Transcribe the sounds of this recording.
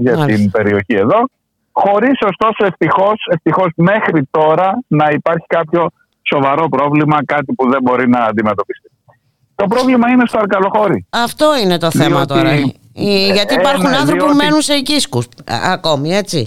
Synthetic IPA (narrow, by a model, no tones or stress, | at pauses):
ʝɐɐt̪inbe̞ɾio̞çie̞ðo̞ | xo̞ɾiso̞st̪o̞soeft̪ixo̞se̞ft̪ixo̞sme̞xɾit̪o̞ɾɐnɐipɐɾçi̥kɐpço̞ | so̞vɐɾo̞pɾo̞vlimɐkɐt̪ipuðe̞bo̞ɾinɐːnd̪ime̞t̪o̞pist̪i̥ | t̪o̞pɾo̞vlimɐinest̪oɐɾkɐlo̞xo̞ɾiɐft̪o̞ine̞t̪o̞θe̞mɐt̪o̞ɾɐ | iʝɐt̪iːpɐɾxunɐnθɾopume̞nunseiciskusɐ̰ko̞mie̞t͡si